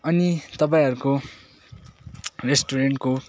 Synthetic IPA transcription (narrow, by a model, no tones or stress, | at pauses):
ʌnit̪ʌp̬ãĩɦʌɾuko | resʈoɾeɳʈko